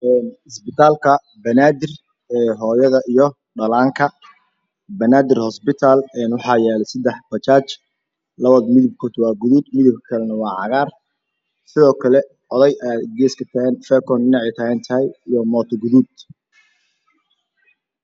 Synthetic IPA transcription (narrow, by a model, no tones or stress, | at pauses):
ʔɛːnɪsbɪt̪ʰaːlkʰɐ | bɐnaːd̪ɪr | ɛːɦɔːjɐðɐʔijɞ | ɖɐlaːŋkʰɐ | bɐnaːd̪ɪrhɔsbɪt̪ʰaːlɛːnwɑħɑːjɛːlɛsɐd̪ɛħbɐt͡ʃaːt͡ʃ | lɐβɐðmɪðɪb̚kʰɔːd̪wɑːɡʊðud̪mɪðɪb̚kʰkʰɐlɛnɐwɑːʕɑɣaːr | sɪðɔːkʰɐlɛ | ʕɔðɐjʔaːd̪ɡɛːskʰɐt̪ʰɐɛːnfɛːkʰɔnɖɪnɑʕiːt̪ʰɐhɛːnt̪ʰɐɦɛjijɔmɔːt̪ʰɔɡʊðud̪